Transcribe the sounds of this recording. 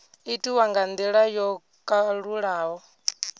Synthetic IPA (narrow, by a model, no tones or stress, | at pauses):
itʼiwaŋɡand̪ɛɺajɔ | kʼaɺuɺaːɦɔ